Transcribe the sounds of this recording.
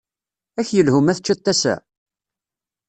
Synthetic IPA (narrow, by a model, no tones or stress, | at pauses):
æçjəlhʊmæθət͡ʃːæt̪ːæsæ̰